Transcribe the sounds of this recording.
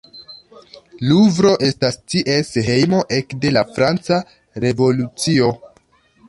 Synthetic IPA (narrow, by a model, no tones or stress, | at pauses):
luvɾo̞ʔe̞stastiʔesɦe̞jmo̞ʔe̞kde̞lafɾant͡sa | ɾe̞vo̞lut͡sio̞